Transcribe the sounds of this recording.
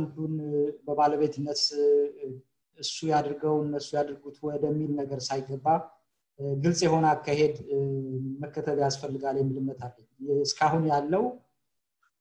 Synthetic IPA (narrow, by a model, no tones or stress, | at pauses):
and̪unbəβaləβe̞t̪ʰɨnːət̪ | ɨsːujad̪ɾɨɡəwɨnːəsːujad̪ɾɡut̪wɔd̪əmːilnəɡəɾsajɪɡəbːa | ɡɨlsʼjɛho̞nəakʰːahe̞d̪ | məkːət̪ʰəβjasfəlːɨɡaljɛmːɨlɨmːət̪ʰalːəɲɨskʰaɦunjalːəw